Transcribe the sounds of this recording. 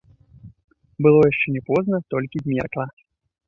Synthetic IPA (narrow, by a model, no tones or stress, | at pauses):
bɨlˠɔjaʂt͡ʂɛnʲɛpɔznɐt̪ɔlʲkʲizʲmʲɛrklˠa